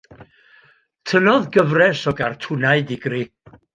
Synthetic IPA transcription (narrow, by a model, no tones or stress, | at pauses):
tʰənɔðɡəvrɛsɔɡartʰʊnaɨdɪɡri